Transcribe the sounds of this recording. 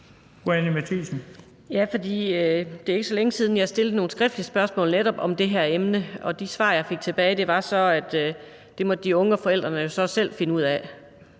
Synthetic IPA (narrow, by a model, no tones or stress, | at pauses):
ɡ̥oænimæt͡sʰisn̩ | jæfɒ̽d̥ḭːød̥e̝e̝ɡ̥əsɒ̽leŋəsiːð̞ˠn̩jɑ̈hæsd̥e̝ld̥̩əno̝ːn̩sɡ̥ʁɛfd̥lisb̥ɶɐsmɔ̰ːlneɾ̥ɒ̽b̥ɒ̽md̥e̝ɦæɐemnəɒ̽d̥isʋɑ̰̈ːjɑ̈ɪfe̝ɡ̥̚t͡sʰe̝b̥ɛːɪd̥e̝ʋɑ̈sɒ̽æd̥ | d̥e̝mɒ̽d̥əd̥iɔ̽ŋəɒ̽fɒ̽el̰d̥ʁɐnəjo̝sɒ̽sel̰fe̝nəuð̞̰ˠæ